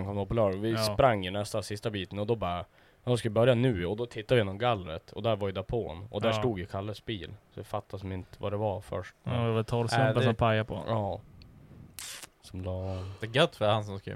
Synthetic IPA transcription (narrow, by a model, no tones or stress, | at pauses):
nkʰɔmd̪ɔpɔlœːɾɔvɪspɾaŋːəɳɛst̪asɪst̪abiːt̪ənɔd̪ɔbɑːɾa | jɑːd̪ɔskavɪbœɾjanʉ̟ːɔd̪ɔt̪ʰɪt̪ːad̪ɪjeːnːɔmɡalːɾə̰t̪ɔ̰d̪æɾvaɾjʏd̪apʰo̰ːnɔ̰d̪æʂtuːɡ̪jəkʰalːəsbiːlsɔvɪfat̪ːasmɪnt̪əva̰d̪ɛvafœ̰ʂʈd̪ɛvadɛt̪ʰɔɾsɛd̪ɔpʰajapʰɔ̰ɑː | sɔmlɑːd̪ɛɡœt̪ːfœɾhans̬ɔmsk